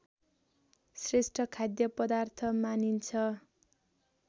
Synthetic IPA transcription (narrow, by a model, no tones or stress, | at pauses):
sresʈʰʌkʰad̪jʌpʌd̪art̪ʰʌmanint͡sʰʌ